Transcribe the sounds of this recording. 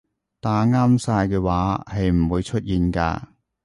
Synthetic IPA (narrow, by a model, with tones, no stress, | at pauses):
t̪aː˨˧ŋaː˥msaː˧jkɛː˧waː˨˥hɐ˨jm̩˨˩wuː˨˧jt͡ʃʰɵ˥t̚jiː˨nka̰ː˧